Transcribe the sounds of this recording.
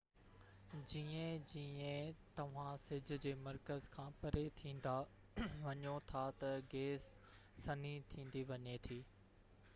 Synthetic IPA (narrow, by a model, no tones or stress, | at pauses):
d͡ʑiːẽd͡ʑiːẽt̪ɐʋ̤ãsɪd͡ʑʱʊ̆d͡ʑeːmɐɾkəzkʰãːpɐɾet̪ʰĩːn̆d̪a | ʋɐɲjot̪ʰat̪ɐɡeːsː | ɐnit̪ʰĩːn̆d̪iʋɐɲet̪ʰiː